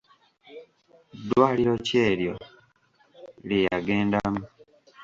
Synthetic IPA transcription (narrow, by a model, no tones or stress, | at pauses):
dːwaːliɾo̞ce̞ːɾjo̞̰ | ljejaɡe̞ːndamu